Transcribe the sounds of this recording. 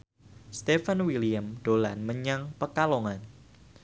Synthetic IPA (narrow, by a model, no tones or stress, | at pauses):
st̪efanwiliamd̥olanməɲaŋpəkaloŋan